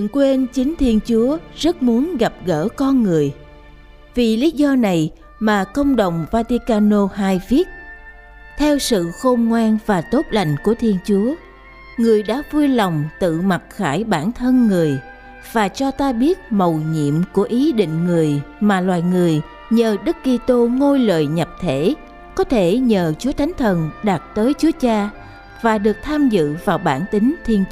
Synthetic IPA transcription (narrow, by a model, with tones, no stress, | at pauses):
i˧˨nkwe˧nt͡ɕï˨˦ŋ̟t̪ʰi˧ənt͡ɕu˨˦əzə˦˥t̚mu˨˦ənɣa˨˩p̚ɣəː˧˩kɔ˧nŋɨ˨˩əj | vi˨˩li˨˦zɔ˧na˨˩j | maː˨˩kə˧wŋ͡mɗə˨˩wŋ͡mvaː˧t̪i˧kaː˧no˧haː˧jvi˦˥ət̚ | t̪ʰɛ˧wsɨ̰˧˨xə˧wŋ͡mŋwaː˧nvaː˨˩t̪o˦˥t̚la˨˩jŋ̟ku˧˩ət̪ʰi˧ənt͡ɕu˨˦ə | ŋɨ˨˩əjɗa̰ː˧˥vu˧jla˨˩wŋ͡mt̪ɨ̰˧˨ma˨˩t̚xaː˧˩jɓaː˧˩nt̪ʰə˧nŋɨ˨˩əj | v̥aː˨˩t͡ɕɔ˧t̪aː˧ɓi˦˥ət̚mə˨˩wɲḭ˧˨əmku˧˩əʔi˨˦ɗḭ̈˧˨ŋ̟ŋɨ˨˩əjmaː˨˩lwaː˨˩jŋɨ˨˩əj | ɲəː˨˩ɗɨ˦˥kːi˧t̪o˧ŋo˧jlə̰ː˧˨jɲə˨˩p̚t̪ʰe˧˩ | kɔ˨˦t̪ʰe˧˩ɲəː˨˩t͡ɕu˨˦ət̪ʰa˨˦jŋ̟t̪ʰə˨˩nɗa˨˩t̚t̪əː˨˦jt͡ɕu˨˦ət͡ɕaː˧ | vaː˨˩ɗɨ˨˩ək̚t̪ʰaː˧mzɨ̰˧˨vaː˨˩wɓaː˧˩nt̪ï˨˦ŋ̟t̪ʰi˧ən